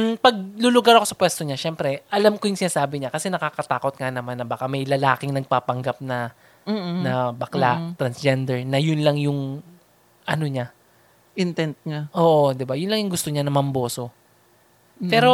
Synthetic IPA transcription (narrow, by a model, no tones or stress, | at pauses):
pɐɡ̚lʊlʊɡaɾɐkosɐpwɛst̪o̞ɲaʃɛmpɾɛʔɐlamkojʊŋsɪnaːsaːbɪɲakɐsɛnɐkaːkɐt̪aːko̞t̪̚ŋanɐmanːɐbaːkamɐjlɐla̰ːkɪŋnɐɡ̚paːpɐŋɡap̚nɐ | nɐbɐklat̪ɾɐnsd͡ʒɛnd̪ɛɹnɐjʊnlɐŋjʊŋ | ʔɐ̰no̞ɲa | ʔɪnt̪ɛnt̪̚ɲaʔo̞ːʔo̞d̪ɪbajʊnlɐŋjʊŋɡʊst̪oɲanɐmɐmbo̞ːso̞ | pɛːɾo̞